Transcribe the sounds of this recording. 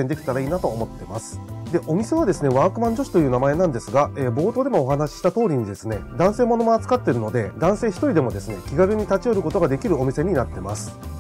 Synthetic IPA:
end̪e̞kʲi̥t̪aɾaiːnat̪o̞ːmo̞t̪ːe̞masɨ̥d̪e̞ʔo̞mʲise̞βad̪e̞sɨne̞βaːkɯ̟mãɲ̟d͡ʑo̞ɕi̥t̪o̞jɯ̟ːnamae̞nãnd̪e̞sɨɡaeːbo̞ːt̪o̞ːd̪e̞mo̞ːɦanaɕi̥ɕi̥t̪at̪o̞ːɾʲiɲ̟id̪e̞sɨne̞d̪ãɰ̃se̞ːmo̞no̞moat͡sɨ̥kat̪ːe̞ɾɯ̟no̞d̪e̞d̪ãɰ̃se̞ːçi̥t̪o̞ɾʲid̪e̞mo̞d̪e̞sɨne̞kʲiɡaɾɯ̟ɲ̟it̪at͡ɕio̞ɾɯ̟ko̞t̪o̞ɡad̪e̞kʲiɾɯ̟o̞mʲise̞ɲ̟inat̪ːe̞masɨ̥

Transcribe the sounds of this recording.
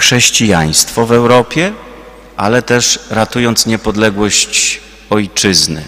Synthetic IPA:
xʂɛɕt͡ɕija̰j̃st̪fɔvɛwɾɔpʲjɛ | ʔa̰lɛt̪ɛʂɾat̪ujɔnt̪sɲɛpɔd̪lɛɡwɔɕt͡ɕ | ɔjt͡ʂɘznɘ̰

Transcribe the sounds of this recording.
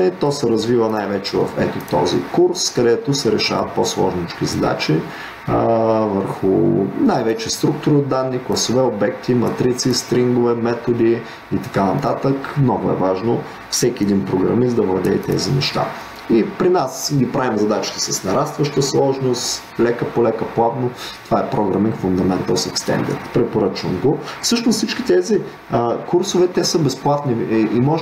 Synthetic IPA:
ɛt̪ɔsɛɾɐzvivənajvɛt͡ʃɛvɐ̰fɛt̪ot̪ɔ̰zḭkuɾskɐd̪ɛt̪osɛɾɛʃa̰və̰t̪̚poslˠɔ̰ʒnit͡ʃk̟izɐd̪a̰t͡ʃi | vəɾxʊnajvɛt͡ʃɛst̪ɾuk̚t̪ʊɾiod̪ːanːiklˠɐsovɛobɛk̚t̪imɐt̪ɾit̪sist̪ɾiŋɡovɛmɛt̪od̪iː | t̪ɐ̥kanɐt̪at̪əkmnɔɡʊɛ̰vaʒno | fsɛkʲiɛd̪inpɾoɡɾɐ̰misd̪ɐvlˠɐd̪ɛit̪ɛ̰zinɛʃt̪a̰ | ipɾinasɡʲipɾavimzɐd̪at͡ʃi̥t̪ɛ̥sɐsnɐɾast̪vɐʃt̪əslˠɔʒnost̪ | lɛkəpolɛkəplˠat̪not̪ovaɛpɾɔɡɾɐminkfʊnd̪ɐmɛnt̪əsɛkst̪ɛ̰nd̪ə̰ɾt̪pɾɛpoɾət͡ʃvəmɡofsɤʃnossit͡ʃkʲi̥t̪ɛzi | əkuɾsovɛt̪ɛsəbɛsplˠat̪niimɔʒ

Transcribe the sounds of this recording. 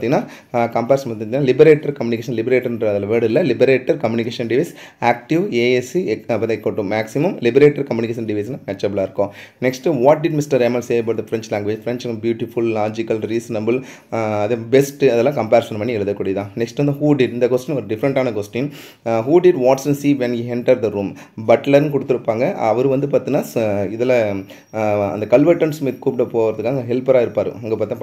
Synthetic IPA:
t̪ĩŋɡɐnːaː | kɐmpeːɾsɐt̪ːt̪iːnːaːlɪbɐɾeːʈɐɾkɐmjʊnɪk̬eːʃɐnlɪbɾeːʈːɐɾɐðɐlɐʋeːɽɪlːɐlɪbɐɾeːʈːɐɾkɐmjuːnɪkeːʂɐ̃nɖɪʋɐɪs | aːk̚ʈɪʋeːesiɐpːɐd̪ɐ̃ɛkːoʈːũmaːksɪmɐmlɪbɐɾeːʈɐɾkɐmjuːnɪkeːʃɐnɖɪʋɐɪs̬namɐt͡ʃːɐblaːɪɾɯkːõːnɛksʈʋaːʈ̚ɖɪɖmɪsʈɐɾemɐlseːɐbɐːʈ̪̚d̪ɐfɾɛɲt͡ʃlãːŋɡʋeːd͡ʒfɪɾɛnt͡ʃkːbjuːʈɪfʊllaːd͡ʒɪkɐlɾiːsɐnɐbɐl | ɐðebɛsʈɐðɛlːãːkɐmpaːɾsɐnmɐɳːiɛɭɐðɐkːuːɽɐjɐðãːnɛksʈʋɐnd̪ɯhuːɖɪɖɪnd̪ɐkoːsʈɪ̃nɔɾɯɖɪfɐɾɐɳʈaːnɐkoːsʈɪŋ | ɦuːɖɪɖʋaːʈsɐ̃nsiːʋɛnjiːɦɛɳʈɐɾd̪ɐɾuːm | bɐʈlɐɾnkɔɽɯt̪ːɪɾɯpːaːŋɡɐɐ̰ʋɐɾɯ̃ʋɐnd̪ɯpaːɾt̪ɯ̃ŋnaːɪðɛlɐ | ɐ̰nd̪ɐkɐlʋɐɾʈːɐɳsmit̪kuːpɪɽɐpoːɾɐðɯkːaːŋɡɐɦɛlpɐɾaːɪɾɯpːaːɾɯ̰̃ɐŋɡeːpaːɾt̪ːŋ

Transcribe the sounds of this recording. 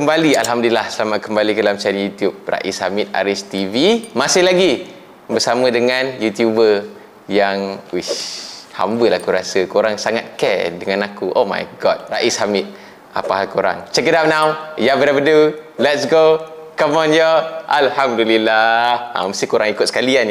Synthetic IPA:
kəmbalialɦamdulilahsəlamat̪̚kəmbalikədalamt͡ʃanjut̪jup̚ra̰ʔisha̰mit̪̚a̰ɾɪst̪ivimasɪhlaɡi | bəsamə̃dəŋãnjut̪jubə | jaŋwiha̰mbəlaakuɾasəkoɾaŋsaŋat̪̚kɛdəŋanakuʔoma̰jɡɔt̪̚raʔishamɪt̪̚ | a̰paɦalkoɾa̰ŋt͡ʃɛkədap̚nãwjabəɾabədulɛt̚sɡo | kɔmɔnjɔʔalhamdulilaha̰məst̪ihkoɾaŋikʊt̪̚sə̥kalian

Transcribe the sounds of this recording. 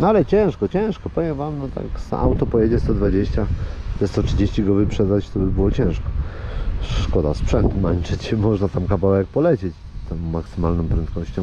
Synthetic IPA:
nalɛt͡ɕɛ̃w̃ʂkɔt͡ɕɛ̃w̃ʂkɔpɔvʲjɛmvamnɔt̪a̰ksa̰ʔa̰wt̪ɔpɔjed͡ʑɛst̪ɔd̪vad͡ʑeɕt͡ɕat̪ɛst̪ɔtʂɘd͡ʑeɕt͡ɕiɡɔvɘpʂɛd̪at͡ɕt̪ɔbɘbɘwɔt͡ɕɛ̃w̃ʂkɔ̥ | ʂkɔd̪a̰spʂɛnt̪mant͡ʂɛt͡ɕmɔʐnat̪amkavawɛk̚pɔlɛt͡ɕet͡ɕ | t̪ɔmːaksɘmalnɔm̃pɾɛnt̪̚kɔɕt͡ɕɔ̃m

